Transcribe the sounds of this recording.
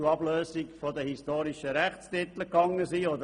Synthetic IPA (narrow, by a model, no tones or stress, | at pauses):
uɑbløːsɪkfɔd̪əhistoːɾɪʃəɾæχstɪt̪l̩kɑŋːəsiːɔd̪ə